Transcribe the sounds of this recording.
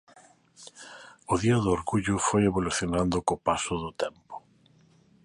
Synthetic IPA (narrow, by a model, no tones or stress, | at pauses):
ʊðiɐðoɾɣuʎʊfojeβoluθjonand̪ʊkopasʊðʊt̪ɛmpʊ̥